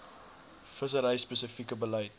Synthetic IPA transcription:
fəsəɾɐjspəsəfikəbəlɐjt̚

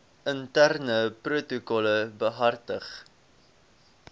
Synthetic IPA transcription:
əntærnəprutukɔləbəɦɐrtəχ

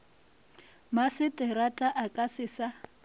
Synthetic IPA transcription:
masɪtʼɪɾatʼaʔakʼasɪsa

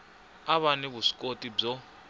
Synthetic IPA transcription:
aβanɛβuʂi̥kʼotʼib͡ʐɔ

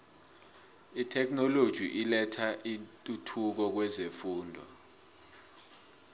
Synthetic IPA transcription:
itʰɛk̬ʰʼnɔlod̥ʒ̥ʱḭʔilɛtʰaʔintʼutʰuk̬ɔk̬wɛzefuːndʱɔ̰

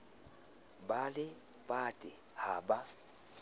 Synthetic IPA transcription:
balɪ | bʼatʼɪ | haba

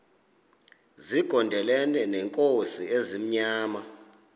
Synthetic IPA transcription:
ziɡ̥ʱɔndʱɛlɛnɛnɛŋkʼosiezim̩ɲaːma

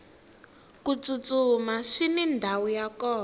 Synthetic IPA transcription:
kut͡sut͡sumaʂinindʱawujakɔː

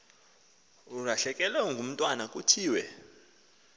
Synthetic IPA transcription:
uraɬɛkʼɛlɛŋɡʱum̩tʼwanakʼutʰiːwɛ

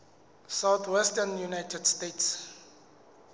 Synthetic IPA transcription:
sawt̪ʰwɛstənjunajtʰɛdstets

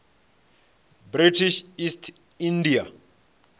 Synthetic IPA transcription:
bɾitʰiʃistʰ | india

